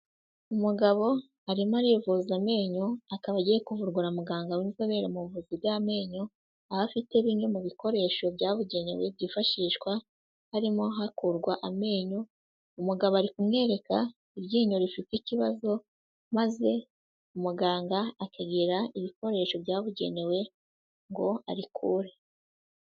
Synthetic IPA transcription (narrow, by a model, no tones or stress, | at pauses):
umuɡaβo̞ | aɾimaɾivuzame̞ːɲo̞akaβaɟijekuvuɾɡuɾamuɡaːŋɡawinizaβeɾemuβuvuzibjame̞ːɲo̞ | aβafite̞βiɲo̞muβikʰo̞ɾe̞ʃo̞bɟaːβuɟeɲo̰βiβɟifaʃiːʃwa | haɾimoɦakuɾɡwaʔame̞ːɲo̞ | umuɡaβoaɾikumŋe̞ːɾe̞ka | iβɟiːɲo̞ɾifiticiβazo̞ | maze̞ | umuɡaːŋɡaakʰaɡiɾaiβiko̞ɾe̞ʃo̞bjaːβuɟe̞̰ne̞we̞ | ŋɡo̞a̰ɾikʰuːɾe